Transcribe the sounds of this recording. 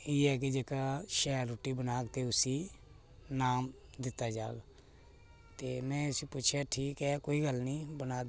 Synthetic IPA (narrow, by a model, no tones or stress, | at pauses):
iːɛːk̬id͡ʒekaʃɛːɾʊʈːibənaːkt̪eʊsiː | naːmd̪ɪt̪ad͡ʒaːɡ | t̪eːmɛ̃ːʊsipuːt͡ʃʰaʈʰiːkɛkoːiɡəlnĩːbənaː